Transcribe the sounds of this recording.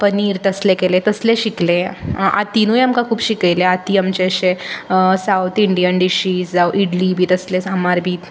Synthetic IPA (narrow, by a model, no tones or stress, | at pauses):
pəniːɾt̪əslekelet̪əsleɕiklẽa̰t̪inuːjamkãkʰuːbɕikajleat̪iamt͡ɕeəɕesawt̪ʰiɳɖijənɖiɕiːsd͡zawʔiɽlibʱiːt̪əslesamaɾbʱiːt̪